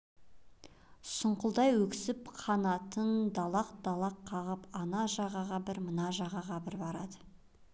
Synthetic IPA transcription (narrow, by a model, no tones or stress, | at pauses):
sʊɴqʊlˠd̪ɑjwɵkʲɪ̥sɪpqʰɑnɑt̪ənd̪ɑlˠɑqd̪̥ɑlˠɑqʰːɑʁəpɑnɑʒɑʁɑʁɑbɪɾmənɑʒɑʁɑʁɑbɪɾbɑɾɑd̪ə